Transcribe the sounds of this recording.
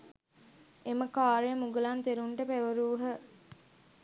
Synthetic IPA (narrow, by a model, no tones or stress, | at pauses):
eməkaːɾemuɡəlant̪eɾuɳʈəpæʋəɾuːɦə